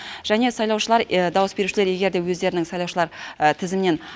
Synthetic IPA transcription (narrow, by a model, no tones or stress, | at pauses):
ʒ̥æne̞sɑjlˠɑwʃəlˠɑɾd̪ɑwəsbe̞ɾuʃɪleɾje̞ɡʲe̞ɾd̪e̞wɵzd̪e̞ɾɪnɪŋsɑjlˠɑwʃəlˠɑɾt̪ʰɪzɪmne̞n